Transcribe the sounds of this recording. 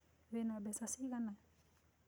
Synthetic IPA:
βenabesasiɡana

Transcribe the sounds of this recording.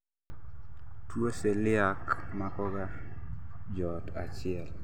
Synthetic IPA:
twoselɪakmakɔɡa | d͡ʒɔtat͡ʃɪɛl

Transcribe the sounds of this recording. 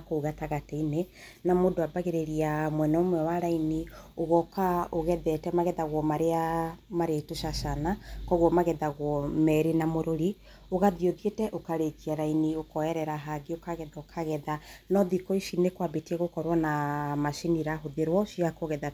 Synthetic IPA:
kouɣataɣatɛine | namodoabaɣeɾeɾiamwɛnɔmwɛwaɾainioɣɔkaoɣɛðɛtɛmaɣɛðaɣwɔmaɾeamaɾetoʃaʃanakɔɣwɔmaɣɛðaɣwɔmɛɾenamoɾoɾi | oɣaðioðietɛʔokaɾekiaɾainiokɔɛɾɛɾaɦaɡeokaɣɛðaokʰaɣɛðanɔðikɔiʃinekwabetiɛɣokɔɾwanamaʃiniɾaɦoðeɾwɔʃiakoɣɛða

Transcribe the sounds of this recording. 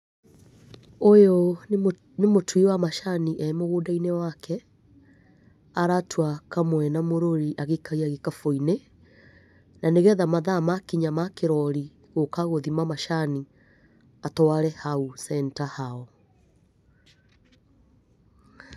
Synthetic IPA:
ojo | nemotʰwiwamaʃaniʔɛmoɣodainewakʰɛ | aɾatʰwakamwɛnamoɾoɾiʔaɣekʰaiaɣekafoine | naneɣɛðamaðamakiɲamakeɾɔɾi | ɣokaɣoðimamaʃani | atɔwaɾɛhausɛntahaɔ

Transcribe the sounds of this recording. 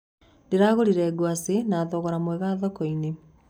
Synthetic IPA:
deɾaɣoɾiɾɛːɡwasenaðɔɣɔɾamwɛɣaðɔkɔine

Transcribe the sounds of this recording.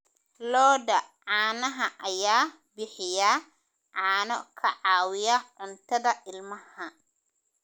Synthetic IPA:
lɔːdɐʕaːnɐɦɐʔɐjaː | bɪħɪja | ʕaːnɔ̰kʰɐʕaːwɪjaʕʊnt̪ɐd̪ɐʔɪlmɐhɐ

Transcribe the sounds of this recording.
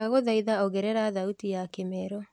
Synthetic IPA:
aɣoðaiðaoɣɛɾɛɾaðautijakemɛɾɔ

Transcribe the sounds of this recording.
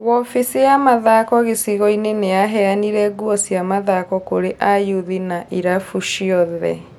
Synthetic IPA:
ɣɔfisijamaðakɔɣesiɣɔineneaɦɛaniɾɛɡuɔsiamaðakɔkoɾeʔajuðinaʔiɾafuʃiɔðɛ̰

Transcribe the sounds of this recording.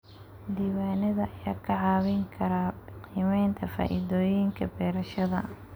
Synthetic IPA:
d̪iːwaːnɐðɐʔɐjaːkʰɐʕɑːβɪŋkʰɐɾaqiːmɛjnt̪ʰɐfa̰ːʔiðɔːjɪŋkʰɐbɛːɾɐʃɐðɐ

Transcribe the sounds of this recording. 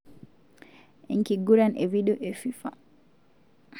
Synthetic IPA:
ʔɛŋkiɡuɾanʔɛ̰viɗɔʔɛfifa

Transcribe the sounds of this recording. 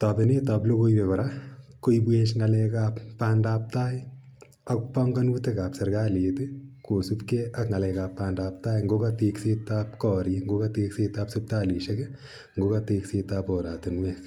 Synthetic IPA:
tabɪnitaːblokojbekɔɾakojbweʃŋalɛkaːppːaːndaːp̚taːj | ɐkpɔŋɡɐnutekapsɐɾɡaːleːtɨkosupkeɐkŋalɛkaːpːaːndaːp̚taːjŋɡokateːkset̪ːaːpkɔɾiŋɡokateːkseːtaːpsup̚taːliʃɐɡ | ŋɡokateːkseːtaːpɔːɾaːtunmɛs

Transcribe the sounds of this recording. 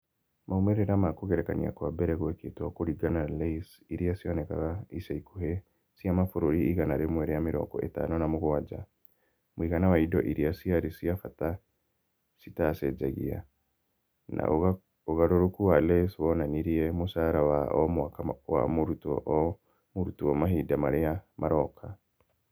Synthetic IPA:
maumɛɾeɾamakoɣɛɾɛkanḭa̰kwabɛɾɛɣwɛketakoɾiɡanalɛis | iɾijasiɔnɛka̰ɣaisaikuhe | siamafoɾoɾiiɣanaɾemwɛɾɛjamiɾɔ̰ːɡɔ̰ʔḛta̰nɔnamoɣowad͡ʒa̰ | mwiɣanawaidɔ̰ʔiɾiasiaɾisiafata | sitasɛd͡ʒaɣḭa̰ | na̰ | oɣaɾoɾokuwaleswɔnaniɾiemusaɾawa̰ʔɔmakawa̰muɾutɔʔ | muɾutuɔmahidamaɾeamaɾɔkʰa

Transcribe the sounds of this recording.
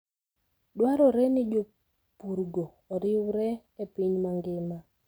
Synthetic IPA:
dwaɾɔɾɛnɪd͡ʒo | puɾɡoːɾɪwɾɛ | epiɲmaŋɡɪma

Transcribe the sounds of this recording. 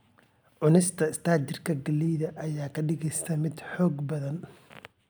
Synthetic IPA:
ʕʊnɪst̪ʰɐɪst̪ʰaːt͡ʃɪrkʰɐɡɐlːijðɐʔɐjaːkʰɐɖɪɣɛjst̪ɐmɪd̪ħɔːɡbɐðɐn

